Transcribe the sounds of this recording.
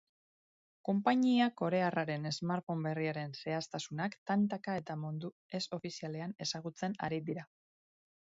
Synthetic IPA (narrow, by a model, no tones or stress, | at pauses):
ko̞mpaɲiako̞ɾe̞araɾe̞ne̞zmaɾfo̞mbe̞riaɾe̞nse̞ast̪asunakt̪ant̪akae̞t̪amond̪u | e̞so̞fisiale̞ane̞saɣ̞ut͡se̞na̰ɾiðiɾa